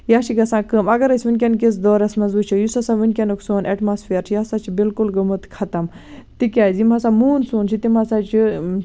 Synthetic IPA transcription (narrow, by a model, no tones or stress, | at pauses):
jaːʃiɡɐsãːkəmɐɡɐɾɐsʲʋinʲk̬ʲɐnk̬es̬d̪oːɾɐsmɐnzut͡ʃʰɐjusɐsaːʋinʲkʲɐnuksoːnʔɐʈmaːsfeːɾt͡ʃʰijaːsaːt͡ʃʰibilkulɡɐmut̪kʰɐt̪ɐm | t̪ikʲaːzimɐsaːmuːnsuːnt͡ʃʰit̪imasaːt͡ʃʰi